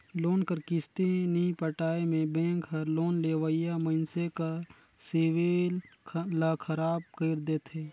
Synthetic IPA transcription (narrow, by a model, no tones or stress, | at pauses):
loːnkəɾkɪst̪enipəʈaːemẽbẽːŋkɦəɾloːnleːʋəijaməɪnseka | seːwellakʰəɾaːb̚kəɪɾd̪eːt̪ʰeː